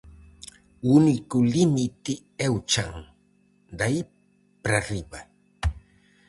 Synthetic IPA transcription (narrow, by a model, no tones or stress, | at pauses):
unikulinit̪i | ewt͡ʃaŋ | d̪ai | pɾaɾiba